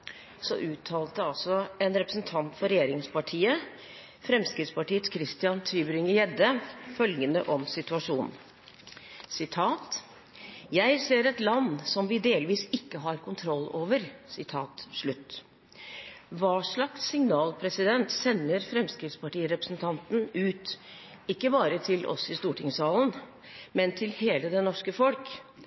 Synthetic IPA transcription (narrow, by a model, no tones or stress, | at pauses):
sɔ̰ʔʉːt̪ʰːɑːlt̪əɑlsɔɛnɾɛpɾəsn̩t̪ʰɑnt̪fɔɾɛjeːɾɪŋspʰɑʈʰiːə | fɾɛmskɾɪt̪spɑʈiːət̪kʰɾɪst̪ɪɑnt̪ʰɾyːbɾɪŋəjɛd̪əfœlɡənə̰ʔɔmsɪt̪ʉɑʂuːnn | sɪt̪ʰɑːt̪ | jæɪseːɾɛt̪lɑnːsɔmʋɪd̪eːlʋiːsɪkːəɦɑɾkʰʊnt̪ʰɾɔlːo̰ːʋəɾsɪt̪ʰɑːt̪ʂɭʉt̪ː | ʋɑːʂɭɑksːɪŋnɑːlpʰɾɛsɪd̪ɛnt̪sɛnːəɾfɾɛmskɾɪft̪spɑʈiːɾɛpɾəsn̩t̪ʰɑnt̪n̩ʉːt̪ | ɪkːəbɑːɾət̪ʰɪlʔɔ̰sɪst̪uːʈɪŋsɑːln̩ | mɛnt̪ʰɪlheːləd̪ɛnɔʂkəfɔlk